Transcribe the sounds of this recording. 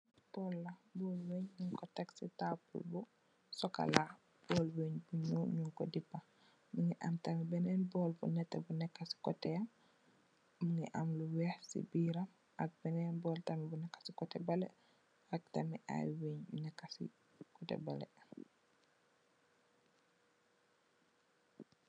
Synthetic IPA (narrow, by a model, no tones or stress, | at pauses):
b̥ɔlːɐbɔlweɲɲuŋkɔtɛksitapṵlbu | sɔka̰la | b̥ɔlweɲbuɲuːɲuŋkɔdipːa | muŋɛʔamtamibɛnɛnbɔlbṵnɛtːɛbunɛkːasi̥kɔtɛam | muŋɛʔamluwɛhsḭbiːɾam | ak̚b̥ɛnɛnbɔːltamibunɛkːḁsikɔtɛbalɛ̰ | ak̚tamiʔa̰jweːɲbunɛkːasḭ | kɔtɛ̰balɛ̰